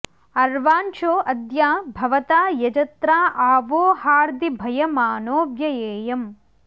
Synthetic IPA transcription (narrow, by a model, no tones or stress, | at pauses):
ɐɾʋaːnt͡ʃoːʔɐd̪jaːbʱɐʋɐt̪aːjɐd͡ʒɐt̪ɾaːʔaːʋoːhaːɾd̪ibʱɐjɐmaːnoːbjɐjeːjɐm